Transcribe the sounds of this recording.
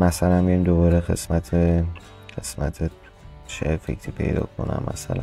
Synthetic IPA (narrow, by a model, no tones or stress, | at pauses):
mæsælænmijimd̪obɒːɾexe̞smæt̪ʰe | ɢesmæt̪ʰe | ʃefḛcʰɾʰiːpʰe̞̰jd̪ɒ̰ːkʰo̞næ̰mːæsælæ